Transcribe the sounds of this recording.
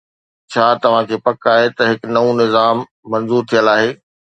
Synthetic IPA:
t͡ɕʰaːt̪ɐʋ̤ãkʰeːpɐkaːɦet̪ɐɦɪknɐũnɪzaːmː | ɐ̃nzuːɾt̪ʰijəlaːɦeː

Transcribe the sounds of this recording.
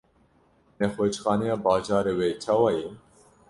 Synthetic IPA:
nɛxoːt͡ʃxɑːnɛjɑːbɑːd͡ʒɑːɾeːweːt͡ʃʰɑːwɑːjɛ

